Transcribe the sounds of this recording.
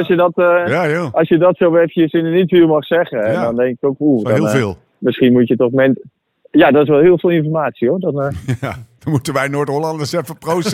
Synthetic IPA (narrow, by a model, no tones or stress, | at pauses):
lsjədɔtaʔɑlˠsjədɔtsowʋɛfəjəsɪnənitfɪːlˠmɑχsɛχənɛdɔndɛŋkɪ̥kokudɔɪlˠveːlˠ | mɪsχinmutjətɔχmɛn | jadɔtɪs̬ʋɛlˠɦɪːlˠfvɪːlˠɪnfɔɹmaːtsioɹdɔnjd̥ɔnmutənʋɛjnoːtolɑndəsɛfəprows